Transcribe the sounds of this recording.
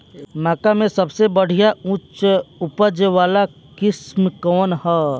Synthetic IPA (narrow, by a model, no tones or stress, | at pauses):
maːkamẽsɐbsebəɽ̤ijaũt͡ʃʊpəd͡ʒʋaːla | kɪsmkɔːnɦɛ